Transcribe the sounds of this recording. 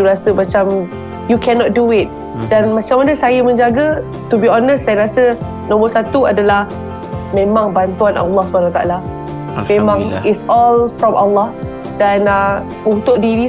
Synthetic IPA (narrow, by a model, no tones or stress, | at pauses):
uɾasəmat͡ʃam | jukʰɛnɔt̪̚duɪt̪̚ | danmãt͡ʃamːanəsajamə̃ɲd͡ʒaɡa | t̪ubiɔnəsːajaɾasə | nɔ̃mərsat̪uadalah | mẽmãŋbant̪uanʔa̰lːɔhsubʱanawat̪aʔa̰la | memãŋɪtsɔlfɾɔmʔalːah | dana | unt̪ʊk̚diɾi